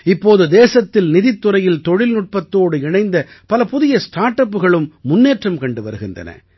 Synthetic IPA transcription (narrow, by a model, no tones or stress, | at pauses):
ɪpːoːðɯd̪eːsɐt̪ːɪlnɪðɪt̪ːɯɾɐjɪlt̪ɔɻɪlnʊʈ̚pɐt̪ːoːɽɯɪɳɐɪnd̪ɐ | pɐlɐpʊðɪjɐsʈʰaːʈːɐpːɯɣɐɭɯmːʊnːeːʈrɐmkɐɳɖɯʋɐ̰ɾɯɣɪndrɐ̰nɐ̰